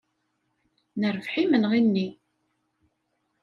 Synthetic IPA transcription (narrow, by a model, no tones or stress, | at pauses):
nəɾvħimənʁinːi